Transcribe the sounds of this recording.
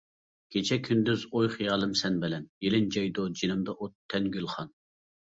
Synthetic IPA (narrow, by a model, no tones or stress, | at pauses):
kʲʰet͡ʃʰɛkʲʰynd̪yzojχjɑlˠɨmsɛnbɪlɛnjelɪnd͡ʒɑjd̪od͡ʒinɨmd̪ɑʔot̪ʰːɛnɡʲylˠχɑn